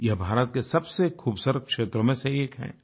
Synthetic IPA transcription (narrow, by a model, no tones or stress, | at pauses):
jɐɦbʱaːɾət̪̚kesɐbsekʰuːbsəɾkʃeːt̪ɾomẽseeːkɦɛ̰̃ː